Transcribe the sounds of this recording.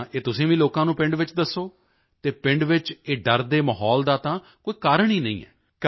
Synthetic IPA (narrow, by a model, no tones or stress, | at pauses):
ʔeːt̪ʊsĩːʋĩːloːkãːnũːpɪ̃ɳɖʋɪt͡ʃd̪əsːoː | t̪eːpɪɳɖʋɪt͡ʃeːɖəɾd̪eːməɦɔːld̪aːt̪ãː | koːiːkaːɾəɳ̃iːnə̰ḭ̃ːɛ̰ː | k